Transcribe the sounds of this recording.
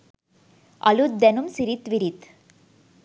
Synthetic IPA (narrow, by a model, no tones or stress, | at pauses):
ɐ̰lud̪ɛnumsiɾit̪ʋiɾit̪